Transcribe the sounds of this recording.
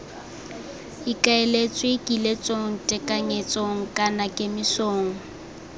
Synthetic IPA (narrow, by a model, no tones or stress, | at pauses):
ikʼaelet͡sʼwekʼilet͡sʼoŋ̩tʼɛkʼaŋet͡sʼoŋ̩kʼanakʼɪmɪsoːŋ̩